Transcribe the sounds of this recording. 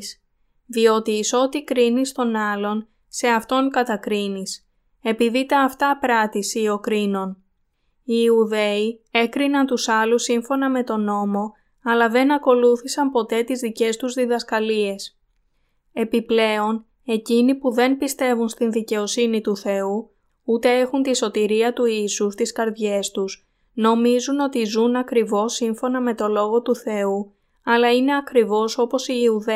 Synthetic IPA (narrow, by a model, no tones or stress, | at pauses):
s | ðio̞t̪iːso̞t̪ikɾinist̪o̞nɐlo̞n | se̞ɐft̪o̞ŋkɐt̪ɐkɾinis | e̞piðit̪ɐːft̪ɐpɾɐt̪isio̞kɾino̞n | iuðe̞ie̞kɾinɐnt̪usɐlusiɱfo̞nɐme̞t̪o̞no̞mo̞ | ɐlɐðe̞nɐko̞luθisɐmpo̞t̪e̞t̪izðice̞st̪uzðiðɐskɐlie̞s | e̞piple̞o̞n | e̞cinipuðe̞npist̪e̞vunst̪inðice̞o̞sinit̪uθe̞u | ut̪e̞e̞xunt̪iso̞t̪iɾiɐt̪uisust̪iskɐɾðʝe̞st̪us | no̞mizuno̞t̪izunɐkɾivo̞siɱfo̞nɐme̞t̪o̞lo̞ɣo̞t̪uθe̞u | ɐlɐine̞ɐkɾivo̞so̞po̞siːuðe